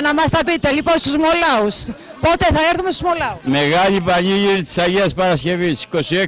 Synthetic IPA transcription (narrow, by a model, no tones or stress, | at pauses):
nɐmɐst̪ɐpit̪e̞liponst̪uzmo̞lɐus | po̞t̪eθɐeɾθumest̪uzmo̞lɐumeɣɐlipɐɲiʝiɾit̪i̥sɐʝeɐspɐɾɐsce̞visi̥ko̞sie